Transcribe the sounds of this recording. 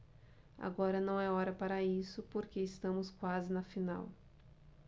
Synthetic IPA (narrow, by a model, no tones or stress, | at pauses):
a̰ɡɔɾɐnɐ̃w̃ɛɔɾɐpaɾɐisʊpoɾkeɪst̪ɐ̃mʊskwazɪnɐfina̰w